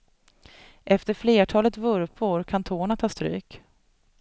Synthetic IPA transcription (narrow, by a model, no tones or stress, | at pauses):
ʔɛft̪əɾfleːʈʰɑːlət̪vɵɾpʰʊɾkʰant̪ʰoːɳat̪ʰɑːst̪ɾy̰ːk